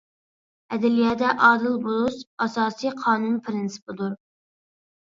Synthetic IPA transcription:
ɛd̪ɛlijɑːd̪ɛʔɑːd̪ɨlˠbolˠusɑsɑːsiqʰɑːnunpʰɾɪnsɨ̥pɨd̪uɾ

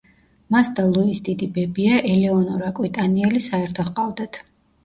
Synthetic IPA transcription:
masd̪alˠuisd̪id̪ibɛbiaʔɛlɛɔnɔɾakʼwit̪ʼaniɛlisaɛɾt̪ʰɔχqʼavd̪at̪ʰ

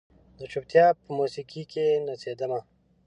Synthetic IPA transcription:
d̪ət͡ʃup̚t̪jɑpəmusikikʰenased̪əma

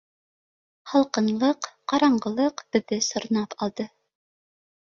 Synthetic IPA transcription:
hɑlˠqɤ̆nlˠɤqqɑɾɑɴɢɤ̆lˠɤqɵ̆ðɘsŏɾ̆nɑpɑlˠd̪ɤ

